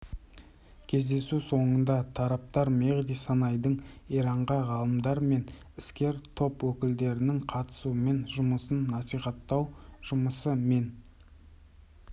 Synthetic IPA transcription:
kʲʰe̞zd̪e̞suso̞ɴənd̪ɑt̪ʰɑɾɑp̚t̪ɑɾmeʁd̪ijsɑnɑjd̪əɴiɾɑɴʁɑʁɑlˠəmd̪ɑɾme̞n | ɪskʲe̞ɾt̪ʰo̞pwɵkʲɪld̪e̞ɾɪnɪŋqʰɑt̪ə̥suəme̞nʒʊməsənːɑsijχɑt̪ːɑwʒ̥ʊməsəme̞n

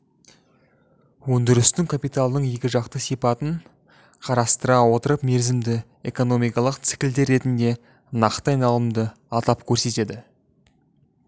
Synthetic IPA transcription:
wɵnd̪ɪɾɪst̪ɪŋkʰapijt̪alˠd̪əɴje̞kʲɪʒɑqt̪əsijpɑt̪əɴ | qʰɑɾɑst̪əɾɑwo̞t̪əɾəpme̞ɾzɪmd̪ɪ | e̞ko̞no̞mijkɑlˠəqt̪sɪ̥kʲɪld̪e̞ɾːe̞t̪ɪnd̪e̞ | nɑqt̪əɑjnɑlˠəmd̪ə | ɑt̪ɑpkʲʰɵɾse̞t̪e̞d̪ɪ

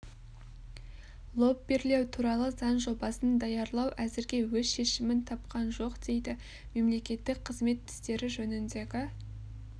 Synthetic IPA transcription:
lˠo̞p̚be̞ɾle̞wt̪ʰuɾɑlˠəzɑnʒo̞bɑsənd̪ɑjɑɾlˠɑwʔæzɪɾɡʲe̞wɵzʃe̞ʃɪmɪnt̪ʰɑp̚qɑnʒo̞qd̪̥e̞jd̪ɪ | me̞mle̞kʲe̞t̪ːɪk̚qʰəzme̞t̪ːɪ̥st̪e̞ɾɪʒɵnɪnd̪e̞ɡʲɪ

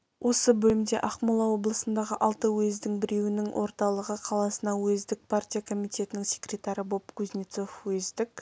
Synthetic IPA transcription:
wʔo̞səbɵlɪmd̪e̞̰ʔɑqmulˠɑwo̞blˠəsənd̪ɑʁəʔɑlˠt̪əwɵzd̪ɪŋbɪɾe̞wɪnɪŋwʔo̞̰ɾt̪ɑlˠəʁəqʰɑlˠɑsənɑwɵzd̪ɪk̚pʰart̪ʲijakʰo̞mijt̪e̞t̪ɪnɪŋsʲe̞̥kɾʲe̞t̪aɾɪbo̞pkʰuznʲit̪so̞fwɵzd̪ɪk

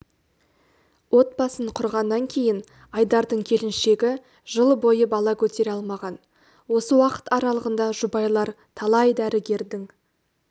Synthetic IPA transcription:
wo̞t̪̚bɑsəɴqʰʊɾʁɑnːɑŋkʲʰe̞jɪn | ɑjd̪ɑɾd̪əɴkʲʰe̞lɪnʃe̞ɡʲɪ | ʒəlˠbo̞jəbɑlˠɑkʲʰɵt̪e̞ɾɑlˠmɑʁɑn | wo̞səwɑqə̥t̪ɑɾɑlˠəʁənd̪ɑʒʊbɑjlˠɑɾ | t̪ʰɑlˠɑjd̪æɾɪɡʲe̞ɾd̪ɪŋ

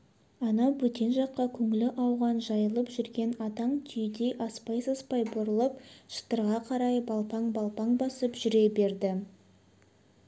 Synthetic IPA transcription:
ɑnɑwɵt̪e̞nʒɑqːɑkʲʰɵŋɪlɪʔɑwʁɑnʒɑjəlˠəpʒʏɾɡʲe̞nɑd̪ɑɴt̪ʰʏjd̪eʔɑspɑjsɑspɑjbʊɾəlˠəpʃə̥t̪əɾʁɑqʰɑɾɑjbɑlˠpɑɴbɑlˠpɑɴbɑsəpʒʏɾe̞be̞ɾd̪ɪ

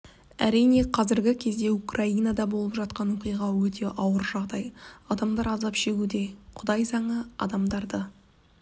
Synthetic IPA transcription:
æ̰ɾijne̞qʰɑzɪɾɡʲɪkʲʰe̞zd̪e̞ukrainad̪ɑbo̞lˠəpʒɑt̪̚qɑnwo̞qijʁɑwɵt̪ʰe̞ʔɑwəɾʒɑʁd̪ɑjɑd̪ɑmd̪ɑɾɑzɑpʃe̞ɡʲud̪e̞qʰʊd̪ɑjzɑɴəɑ̰d̪ɑmd̪ɑɾd̪ə

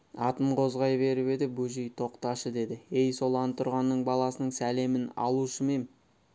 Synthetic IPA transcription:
ɑt̪əmqʰo̞zʁɑjbe̞ɾɪpe̞d̪ɪbuʒijt̪ʰo̞qt̪ɑʃəd̪e̞d̪ɪe̞jso̞lˠɑnt̪ʰːʊɾʁɑnːəɴbɑlˠɑsənəɴsæle̞mɪnɑ̰lˠuʃəme̞n

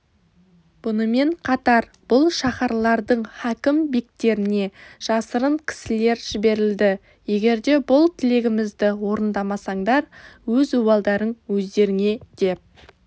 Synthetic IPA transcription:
b̥ʊnəme̞ɴqʰɑt̪ɑɾ | b̥ʊlˠʃɑχɑɾlˠɑɾd̪əɴhækʲɪmbek̚t̪e̞ɾɪne̞ʒ̥ɑsəɾəɴkʲʰɪ̥sɪle̞ɾʒ̥ɪbe̞ɾɪld̪ɪ | je̞ɡʲe̞ɾd̪e̞bʊlˠt̪ʰɪle̞ɡʲɪmɪzd̪ɪwo̞ɾənd̪ɑmɑsɑɴd̪ɑɾwɵzubɑlˠd̪ɑɾənwɵzd̪e̞ɾɪŋe̞d̪̥e̞p̚

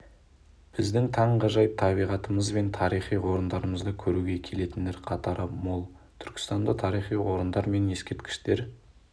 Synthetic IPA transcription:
b̥ɪzd̪ɪŋt̪ʰɑɴʁəʒɑjt̪ʰɑβijʁɑt̪əməzbe̞nt̪ʰɑɾijχijwo̞ɾənd̪ɑɾəməzd̪əkʲʰɵɾuɡʲe̞kʲʰe̞le̞t̪ɪnd̪e̞ɾqʰɑt̪ɑɾəmolˠ | t̪ʰʏɾkʲɪ̥st̪ɑnd̪ət̪ʰɑɾijχijwo̞ɾənd̪ɑɾme̞nje̞skʲe̞ɾt̪̚kʲɪ̥ʃt̪e̞ɾ

